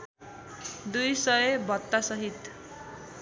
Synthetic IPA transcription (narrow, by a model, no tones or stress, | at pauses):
d̪ujsʌjebɔt̪ːasʌɦit̪